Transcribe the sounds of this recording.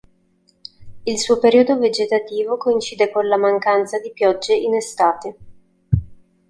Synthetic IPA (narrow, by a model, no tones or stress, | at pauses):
ilsuːopeɾiod̪oved͡ʒet̪at̪iːvokoint͡ʃiːd̪ekonlamaŋkant̪sad̪ipjɔd͡ʒːeʔinest̪aːt̪e